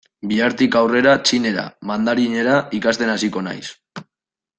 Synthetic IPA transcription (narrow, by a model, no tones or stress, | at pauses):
biaɾt̪ikawre̞ɾat͡ʃine̞ɾa̰mand̪aɾiɲe̞ɾaikast̪e̞nasiko̞na̰js